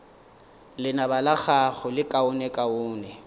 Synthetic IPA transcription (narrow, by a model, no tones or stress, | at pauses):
lɪnabalak͡xaɣʊlɪkʼaʊnɛkʼaʊːnɛ